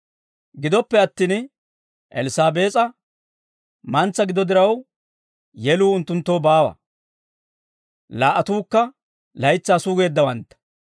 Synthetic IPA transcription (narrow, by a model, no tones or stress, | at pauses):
ɡɪd̪ɔpːɛɐt̪ːiːn | ʔɛ̰lɪsaːbe̞ːt͡sʼɐ | mɐnt͡sːɐɡɪd̪ɔd̪ɪɾɐw | jɛluːʊnt̪ːʊnt̪ːoːbaːwɐ̰ | laːʔɐt̪uːkːɐ | lɐjt͡sːaːsuːɡe̞ːd̪ːɐwɐnt̪ːɐ̥